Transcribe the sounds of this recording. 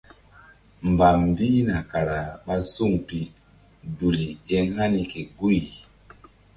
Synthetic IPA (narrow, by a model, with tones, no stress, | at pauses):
m˨ba˨m˨bi˦na˨ka˨ɾa˨ɓa˦su˦˨ŋpi˦ | du˨li˨e˦ŋ˦ha˦ni˨ke˨ɡu˦˨j